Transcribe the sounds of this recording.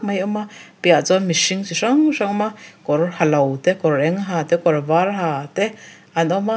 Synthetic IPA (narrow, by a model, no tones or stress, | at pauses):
majʔomapjaʔt͡samiʃiŋt͡ʃiʂaŋʂaŋmakoɾohalawt̪ekoɾɾeŋɦat̪ekoɾaβaɾɦat̪e | anoma